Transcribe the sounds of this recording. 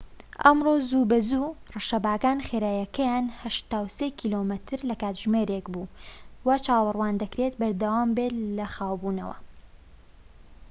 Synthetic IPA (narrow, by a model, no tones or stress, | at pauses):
ʔɐmroːzuːbɐzuːrɨʃɐbaːkaːnxeːɾaːjɐkʰɐjaːnhɐʃt̪aːwseːkʰiːlomɨt̪ʰɨɾlɐkaːt̪ʒmeːɾekbuːwat͡ʃaːwɑrˤwaːnd̪ɐkɾet̪bɐɾd̪ɐwaːmbet̪lɐxaːwbuːnɐ̰wɐ̰